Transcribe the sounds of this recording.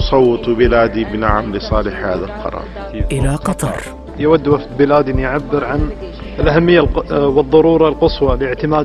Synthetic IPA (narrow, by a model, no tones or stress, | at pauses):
sˤɑwːɨt̪ˤbɪlaːd̪ibɪnaʕamlɪsˤɑːlɪħhaːðalqɑ̰ɾˤɑ̰ːɾˤ | ʔɪlaqɑt̪ˤɑɾˤ | jɪwad̪ːwafd̪̚bɪlaːd̪injʕabːɪɾʕan | ɪlʔahamːɪjːalwɨðˤːɑɾuːɾˤɑlqɨsˤwɑlɪʕt̪ɪmaː